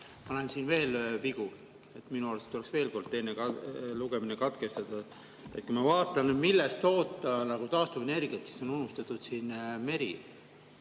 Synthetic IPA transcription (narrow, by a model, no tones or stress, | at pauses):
pɑnɑensiːnve̞ːlviɡ̥u | e̞t̪ːminuɑːlset̪olesve̞ːlko̞rd̪̚t̪e̞jnekɑluɡ̥eminekɑt̪ke̞st̪ɑd̪̥ɑ | e̞t̪̚kujmɑvɑːt̪ːˑɑnmilːɛst̪o̞ːt̪ːˑɑnɑɡ̥ut̪ɑːst̪uvene̞rɡ̥iɑt̪si̥so̞nunust̪ɑt̪ːˑud̪̥siːnme̞ɾi